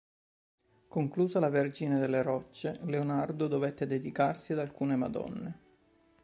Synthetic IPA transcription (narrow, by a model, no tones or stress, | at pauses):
koŋkluːzalaverd͡ʒined̪elːeɾɔt͡ʃːeleonard̪od̪ovet̪ːed̪ed̪ikarsiad̪alkuːnema̰d̪ɔ̰nːe